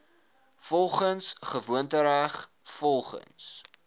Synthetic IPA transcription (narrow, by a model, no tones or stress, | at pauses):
fɔlˠχənsχəvuəntəɾæχfɔlˠχə̰ns